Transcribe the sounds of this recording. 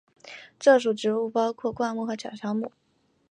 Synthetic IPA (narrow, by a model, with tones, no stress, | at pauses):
ʈ͡ʂɤ˥˩ʂ̬u˨˩ʈ͡ʂɻ̩˧˥u˥˩pɑ˥ʊkʰwɔ˥˧kwa˥˧mu˥˩xɤ˧˥t͡ɕʰjɑ̰˨˩ʊʂɑ˥ŋmu˥˩